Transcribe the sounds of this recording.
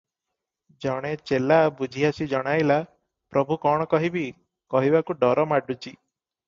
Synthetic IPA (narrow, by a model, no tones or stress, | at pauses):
d͡ʒɔɽ̃et͡ʃelabud͡ʒʱiasid͡ʒɔɽ̃ajla | pɾɔbʱukɔɽ̃ɔkɔɦibi | kɔɦibakuɖɔɾɔmaɖut͡ʃi